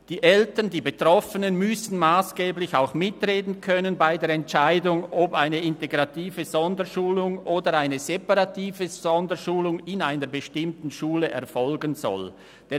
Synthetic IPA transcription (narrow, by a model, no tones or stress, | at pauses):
d̥iːʔɛltəndiːbetʁ̥ɔfənənmʏsn̩maːsɡ̥eːblɪçaʊxmɪtʁeːdn̩kʰœnənbaɪdeːɾɛnt͡ʃaɪdʊŋɔpaɪnəɪnteɡʁɑtiːvəzɔndəʃuːlʊŋʔoːdəaɪnəzepaʁɑtiːvəz̥ɔndəʃuːlʊŋɪnaɪnəɾbəʃtɪmtn̩ʃuːləʔɛ̰ɐfɔlɡənzɔ̰l | d̥ɛ